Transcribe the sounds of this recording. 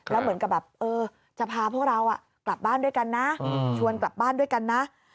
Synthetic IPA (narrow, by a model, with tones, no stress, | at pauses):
lɛː˦˥wmɯ˩˦nka˨˩p̚bɛː˨˩p̚ʔɤː˧ | t͡ɕa˨˩pʰaː˧pʰu˥˩ək̚ɾa˧wʔa˨˩ʔ | kla˨˩p̚baː˥˩ndu˥˩əjka˧nːa˦˥t͡ɕʰu˧ənkla˨˩p̚baː˥˩ndu˥˩əjka˧nːa˦˥ʔ